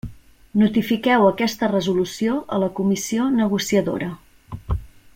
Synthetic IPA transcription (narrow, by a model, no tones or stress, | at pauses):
nut̪ifikɛwəkɛst̪ərəzulusioʔələkumisionəɣ̞usiəðo̰ɾə